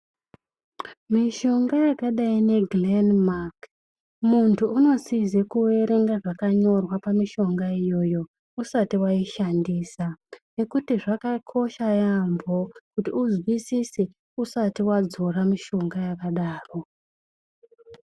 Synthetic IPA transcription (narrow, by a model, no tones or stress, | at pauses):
miʃo̞ŋɡajakaɗaine̞ɡlenmak | muntʰuːno̞sizekuwe̞ɾe̞ŋɡaʐakaɲo̞rwapamiʃo̞ŋɡaijo̞ːjo̞ | usatiwaiʃandiːsane̞kutiʐakakʰo̞ʃajambo̞kutiuzwisisi | usatiwad͡zo̞ramiʃo̞ŋɡajakaɗaːro̞